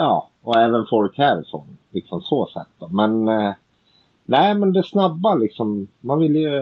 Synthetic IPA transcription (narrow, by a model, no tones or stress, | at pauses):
jɑː | ɔɛːvənfɔɾkʰæːɾsɔ̰nlɪksɔmsoːsɛ̰t̪ːɔmɛn | næɪmɛnd̪ɛsnabːalɪksɔmːanvɪlːjɵ